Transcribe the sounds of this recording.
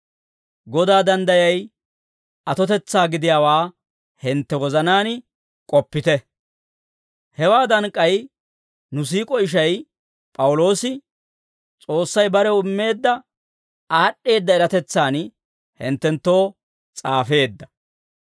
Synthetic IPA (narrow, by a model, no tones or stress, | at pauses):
ɡɔd̪aːd̪ɐnd̪ɐjɐj | ʔɐt̪ɔt̪ɛt͡sːaːɡɪd̪ɪjaːwaː | hɪnt̪ːɛwɔzɐnaːn | kʼɔpːɪt̪ɛ | hɛwaːd̪ɐŋkʼːɐj | nʊs̬iːkʼɔɪʃ̬ɐj | pʼɐwʊlo̞ːsɪ | t͡sʼo̞ːsːɐjbɐɾɛʊmːe̞ːd̪ːɐ | aːɗːe̞ːd̪ːɐɛɾɐt̪ɛt͡sːaːn | hɪ̰nt̪ːɛnt̪ːo̞ː | t͡sʼaːfe̞ːd̪ːɐ̥